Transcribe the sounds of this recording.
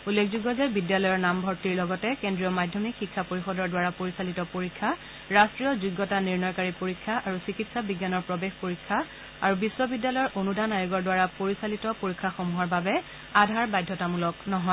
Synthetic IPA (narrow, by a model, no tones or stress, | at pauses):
ulːekʰzuɡɔzajbidjalɔjɔɹnambʱɔɹtiɹlɔɡɔtɛkendɹijɔmadʱɔmikxikʰːapoɹixɔdɔɹdwaɹapoɹisalitɔpoɹikʰːa | ɹastɹijɔzuɡːɔtaniɹnɔjkaɹipoɹikʰːaʔaɹusikitsabiɡjanɔɹpɹɔbexpoɹikʰːa | aɹubiswɔbidjalɔjɔɹʔonudanajʊɡɔɹdwaɹapoɹisalitɔpoɹikʰːaxomuɦɔɹbabɛ | adʱaɹbajdʱːɔtamulɔknɔɦɔ